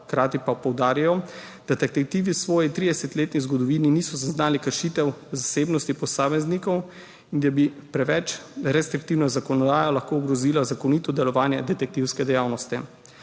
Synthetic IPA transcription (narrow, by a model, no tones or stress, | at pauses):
kɾaːt̪ipapɔwd̪aːɾjajɔ | d̪̥at̪ɛk̚t̪ɛk̚t̪iːʋisʋɔːjit̪ɾid̪ɛsɛt̪leːt̪nizɡɔd̪ɔʋiːninisɔzaznaːlikəɾʃiːt̪ɛwzaseːbnɔst̪ipɔsaːmɛznikɔw | ind̪abipɾɛʋɛt͡ʃɾɛst̪ɾik̚t̪iːwnɔzakɔnɔd̪aːjalaxkouɡɾɔziːlazakɔniːt̪ɔd̪ɛlɔʋaːnjɛd̪ɛt̪ɛk̚t̪iwskɛd̪ɛjaːwnɔst̪i